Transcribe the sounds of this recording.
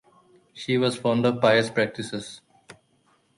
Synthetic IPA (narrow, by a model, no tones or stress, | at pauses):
ʃiːʋɔːzfɔ̃ʊ̃ɳɖɔʋpaɪəspɾæk̚ʈɪsez̥